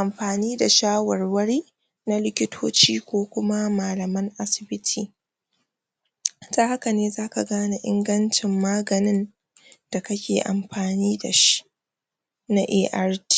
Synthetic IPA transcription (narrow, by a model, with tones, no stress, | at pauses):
ʔa˨mɸaː˨niː˦da˨ʃaː˦wɐ˨rwɐ˦ɽiː˦ | na˦lɪ˦kʲɪ˦tʰoː˦t͡ʃiː˦kʷoː˦kʷʊ˦ma˦maː˨lɐ˨mɐ˦ŋʔa˦sɪ̥˨bɪ˦tʰiː˨ | taː˦ha˦ka˨neː˦zaː˦ka˨ɡaː˦na˨ʔɪ̰˦ŋɡɐ˦nt͡ʃɪ˨mːaː˦ɡɐ˨nɪ˦n | d̥a˨kɐ˦kʲeː˨ʔa̰˨mɸaː˨niː˦da˨ʃi̥˦ | na˦ʔeː˦ʔa˦rti̥˦